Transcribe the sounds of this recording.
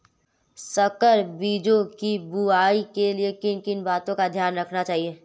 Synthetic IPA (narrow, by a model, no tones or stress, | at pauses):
sɐkəɾbiːd͡ʒokibuaːikeliekɪnkɪnbaːt̪õkad̪ʱjaːnɾɐkʰnat͡ʃaːɦieː